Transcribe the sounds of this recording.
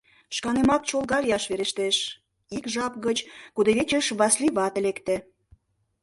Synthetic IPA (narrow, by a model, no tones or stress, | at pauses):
ʃkɑnemɑt̪ʃolˠɣɑljɑʃβeɾeʃt̪eʃ | ikʒɑpɣət͡ɕkud̪eβet͡ɕəʃβɑsliβɑt̪elekt̪ĕ